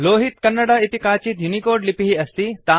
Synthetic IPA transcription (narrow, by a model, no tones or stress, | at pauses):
loːɦit̪kɐnːəɽait̪ikaːt͡ɕit̪junikoːɾɖlipiɦiɐst̪it̪a